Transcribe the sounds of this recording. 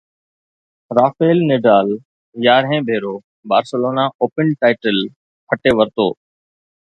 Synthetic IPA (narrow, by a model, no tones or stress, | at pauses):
ɾaːfeːlneːɖaːl | jaːɾɦẽːbʱeːɾoː | baːɾsəloːnaʔoːpənʈaːɪʈəl | pʰəʈeːʋəɾt̪oː